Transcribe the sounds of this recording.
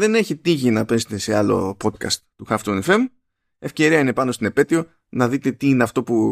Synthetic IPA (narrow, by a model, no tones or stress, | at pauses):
ðe̞ne̞çit̪iʝinɐpe̞set̪e̞se̞ɐlo̞̰po̞t̪̚kɐ̰st̪t̪uxɐft̪onefe̞m | e̞fce̞ɾiɐine̞pɐnost̪ine̞pe̞t̪io̞ | nɐðit̪e̞t̪iine̞ɐft̪o̞pu